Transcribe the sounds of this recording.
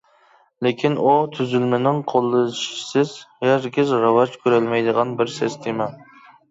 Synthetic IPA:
lekʲʰinut̪ʰyzylmɪnɪŋqʰolˠːɨʃsɪz̥jæɾɡʲɪzɾɑvɑt͡ʃkʲʰøɾɛlmɛjd̪əʁɑnbɪɾsest̪ʰemɛ

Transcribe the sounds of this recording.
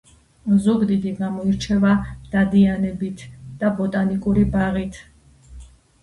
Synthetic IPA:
zuɡd̪id̪iɡamɔiɾt͡ʃʰɛvad̪̥ad̪ianɛbit̪ʰd̪̥abɔt̪ʼanikʼuɾibaʁit̪ʰ

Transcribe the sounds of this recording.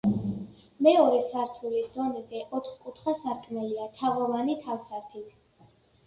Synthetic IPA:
mɛɔɾɛsaɾt̪ʰulisd̪ɔnɛzɛʔɔt̪χkʼut̪ʰχasaɾkʰmɛliat̪ʰaʁɔvanit̪ʰafsaɾt̪ʰit̪ʰ

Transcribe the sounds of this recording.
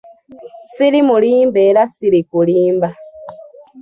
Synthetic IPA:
silimuliːmbeɾasiɾikuliːmba

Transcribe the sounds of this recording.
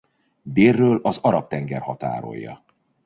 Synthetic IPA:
d̪eːrːøːlɒzɒɾɒp̚t̪ɛŋɡɛrhɒt̪a̰ːɾo̞̰jːɒ̰

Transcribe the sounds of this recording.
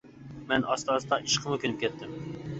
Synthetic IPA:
mɛnɑst̪ɑːst̪ɑʔiʃqʰəmʊkʲʰønɪp̚kʲʰɛt̪ʰːɪm

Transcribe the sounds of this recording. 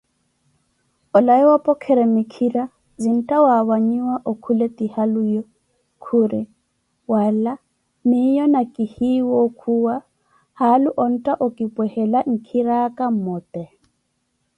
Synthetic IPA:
ɔlaiwapʼɔkʰɛɾɛmikʰiɾa | zin̩tʼawaβaɲiwaʔokʰulet̪ʼihalujɔ | kʰuɾɪ | wala | mɪjɔnakʼihiwɔkʰuwa | haluʔɔn̩tʼaʔʊkʼipʼwɛhɛlaŋ̩kʰiɾakʼam̩mɔtʼɛ

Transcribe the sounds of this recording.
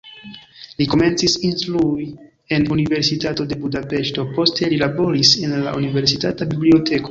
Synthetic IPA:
liko̞me̞nt͡sisinflui | e̞nunive̞ɾsitato̞de̞budape̞ʃto̞po̞ste̞lilabo̞ɾisenla̰ʔunive̞ɾsitatabiblio̞te̞ko

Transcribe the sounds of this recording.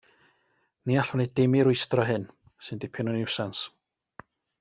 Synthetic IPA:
niaɬɔnidɪmɪɾʊɨstrɔɦɨn | sɨndɪpʰɪnɔnɪwsans

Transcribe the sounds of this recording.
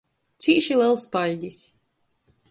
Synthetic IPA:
t̪sʲiːʃilˠɛlˠspalʲdʲis

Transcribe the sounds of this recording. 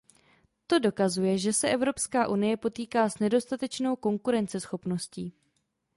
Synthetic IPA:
t̪o̞do̞kazujɛʒɛsɛʔɛvɾo̞pskaːʔunɪjɛpo̞t̪iːkaːsnɛdo̞st̪at̪ɛt͡ʃno̞wko̞ŋkuɾɛnt͡sɛsxo̞pno̞sciː

